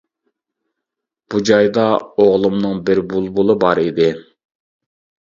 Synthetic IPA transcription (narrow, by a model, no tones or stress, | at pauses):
b̥ud͡ʒɑjd̪ɑoʁlˠɨmnɨŋbɪɾbulˠbulˠɨbɑɾid̪ɪ